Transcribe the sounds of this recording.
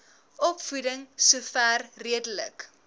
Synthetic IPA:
ʔɔpfudəŋsufæːrriədələ̰k

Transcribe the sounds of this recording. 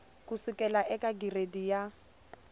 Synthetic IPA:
kusʊkʼɛlaʔɛkʼaɡiredija

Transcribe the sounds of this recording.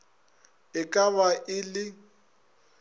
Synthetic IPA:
ɪkʼaβaʔɪlɪ

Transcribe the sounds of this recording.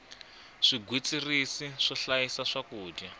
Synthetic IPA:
ʂiɡʱwit͡sirisiʂɔɬajisaʂakuːdja

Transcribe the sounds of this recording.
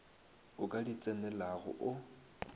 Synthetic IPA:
ʊkʼadit͡sʼɛnɛlaɣʊ̰ʔʊ

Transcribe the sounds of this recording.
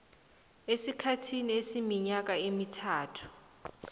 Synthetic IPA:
esikʰatʰiniesimiɲak̬ʼaemitʰaːtʰu̥

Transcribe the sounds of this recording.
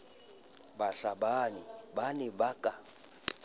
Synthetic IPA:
baɬabanibanibakʼa

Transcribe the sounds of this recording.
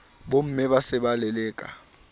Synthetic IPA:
bom̩mɛɓasɪɓalɛlɛːkʼa̰

